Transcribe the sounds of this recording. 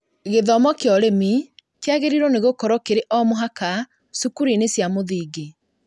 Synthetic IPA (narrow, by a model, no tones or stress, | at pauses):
ɣeðɔmɔkeɔɾemi | tjaɣeɾiɾwɔneɣokɔɾɔkeɾeʔɔmoɦaka | sukuɾinesjamoðiːɡe